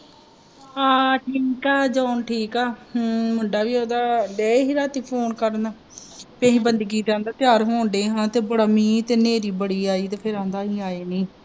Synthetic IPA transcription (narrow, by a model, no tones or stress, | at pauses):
aːʈʰiːkaːd͡ʒaːnʈʰiːkaːmʊɳɖaːʋiːoːd̪aːlɛːɦiːɾaːt̪iːpʰoːnkəɾnaː | piə̃ːɦĩːbənd̪ɡiːt̪ãːnd̪aːt̪ɪjaːɾɦoːɳɖeːɦãːt̪eːbʊɽaːmĩːt̪eːneːɾiːbəɽiːaːiːt̪eːpʰɪɾãːnd̪aːɦiːaːeːniː